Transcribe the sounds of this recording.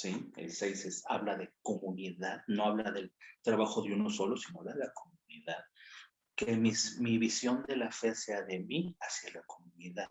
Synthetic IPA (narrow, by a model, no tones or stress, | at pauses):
siḛlsejsesa̰βlaðe̞ko̞mũniðaðno̞aβlaðe̞lt̪ɾaβaxo̞ðeuno̞so̞lo̞sino̞aβlaðe̞lakomuniðað | kemismiβisjo̞nd̪e̞lafe̞se̞aðe̞miasjalako̞mũniðað